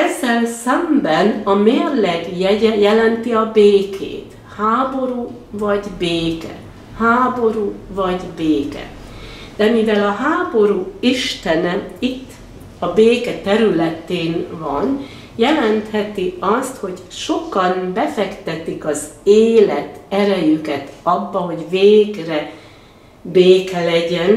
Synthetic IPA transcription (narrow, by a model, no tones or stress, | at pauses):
ɛzːɛlsɛmbɛnɒmeːrlɛɡjɛɟɛjɛlɛnt̪iɒbeːkʰḛːt̪ | haːbo̞ɾuː | vɒɟbeːkɛ̰ | haːbo̞ɾuːvɒɟbeːkɛ̰ | d̪̥ɛmivɛlɒɦaːbo̞ɾuːiʃt̪ɛnɛit̪ː | ɒbeːkɛt̪ɛɾylɛt̪eːnvɒn | jɛlɛnt̪hɛt̪iɒst̪ho̞ɟʃo̞kɒnbɛfɛkt̪ɛt̪ikɒzeːlɛt̪ɛɾɛjykɛt̪ɒbːɒɦo̞ɟveːɡrɛ | beːkɛlɛɟɛn